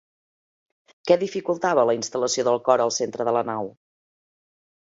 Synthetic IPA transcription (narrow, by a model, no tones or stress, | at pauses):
kɛðifikulˠt̪aβ̞ələinst̪ələsioðəlˠkɔɾəlˠsent̪ɾəðələnaw